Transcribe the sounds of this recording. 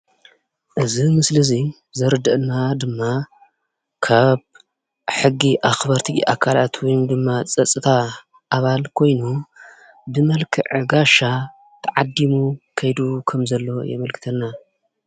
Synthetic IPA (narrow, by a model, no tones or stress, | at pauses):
ʔɨzimɨslɨzi | zɐɾɨd̪ɐʔnːad̪ɨmːa | kʰaβ | ħɨɡːiʔaxbɐɾt̪ʰiʔa̰kʰalat̪ʰwijnd̪ɨmːat͡sʼɐt͡sʼɨt̪ʰa | ʔaβalkʰo̞jnu | bɨmɐlkʰɨʕɨɡaʃa | t̪ʰɐʕad̪ːimukʰɐjd̪ukʰɐmzɐlːo̞jɛ̰mɐlkʰɨ̥t̪ʰɐnːa